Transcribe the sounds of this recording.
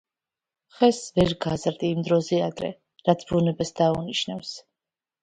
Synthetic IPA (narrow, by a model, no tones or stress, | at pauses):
χɛsvɛɾɡazɾd̪iːmd̪ɾɔzɛad̪ɾɛ̰ | ɾat̪sʰbunɛbɛsd̪auniʃnafs